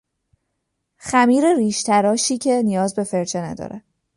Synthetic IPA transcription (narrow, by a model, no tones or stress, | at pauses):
xæmiːɾe̞ɾiːʃt̪ʰæɾɒːʃiːcʰe̞nijɒːzbe̞fe̞ɾt͡ʃʰenæ̰d̪ɒ̰ːɾʔe